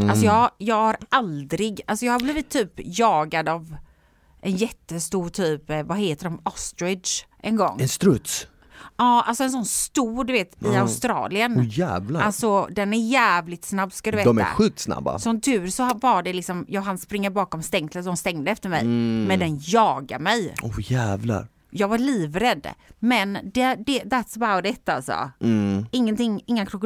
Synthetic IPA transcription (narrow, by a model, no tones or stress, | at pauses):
alsɔjɑːjɑːɡhaɾʔald̪ɾɪɡalsɔjɑːhabliːvɪt̪ʰːyːpjɑːɡad̪av | ʔɛnjɛt̪ːəst̪uːɾʈ̪ʰyːpvaɦeːt̪əɖɔmɔst̪ɾɪd̪ʂʔɛnɡɔ̰ŋːɛnst̪ɾɵt̪s | ɑːalsɔɛns̬ɔnːst̪uːɖ̪ɵveːt̪ɪaʊst̪ɾɑ̰ːlɪənjæːvlaalsɔd̪ɛnæɾjæːvlɪt̪snabːskad̪ɵveːd̪ɔmæ̰ːa̰ɧiːk̚t̪sna̰bːa̰sɔnt̪ʰʉːɾsɔvaɖɛlɪksɔmjɑɦanspɾɪŋːəɾbɑːkɔmst̪ɛŋt̪səsɔmst̪ɛŋd̪əɛft̪əɾmɛ̰jmɛnd̪ɛnjɑːɡa̰ɾmɛjɔjæːvla̰ɾ | jɑːɡvaɭiːvɾɛd̪mɛnd̪ɛd̪ɛd̪at̪sbad̪ɛt̪ːalsɔ̰ | ɪŋːənt̪ʰɪŋːɪŋːakʰɾʊkː